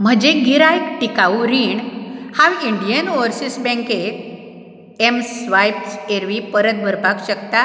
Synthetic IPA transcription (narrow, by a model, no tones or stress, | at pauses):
m̤əd͡ʑeɡiɾajkʈikauɾiɳhaʋiɳɖijənoɾsisbɛ̃ŋket̪ | emsʋajpseɾʋipəɾət̪̚bʱəɾbakɕəkt̪a